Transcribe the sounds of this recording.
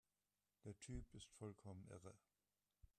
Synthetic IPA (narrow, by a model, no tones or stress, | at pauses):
d̥eːɐtʰyːpɪstfɔlkʰɔmən̩ʔɛʁə